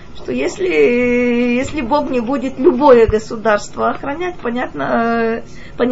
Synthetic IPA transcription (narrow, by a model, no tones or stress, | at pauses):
ʂt̪ojesʲlʲɪ | jesʲlʲɪbo̞ɡnʲɪbudʲɪt̪lʲʊbo̞jəɡəsʊd̪arst̪vəɐxɾɐnʲætʲpɐnʲat̪nə | pɐnʲ